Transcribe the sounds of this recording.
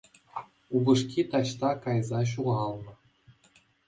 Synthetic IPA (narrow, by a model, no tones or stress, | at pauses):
ubɤʂkʲit̪ɑɕt̪ɑkɑjzɑɕ̬uʁɑlˠnɤ̆